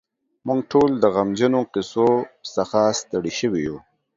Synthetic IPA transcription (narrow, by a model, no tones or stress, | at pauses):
mʊŋɡʈʰold̪əɣamd͡ʒənoqɪsosaxast̪aɽiʃəwiju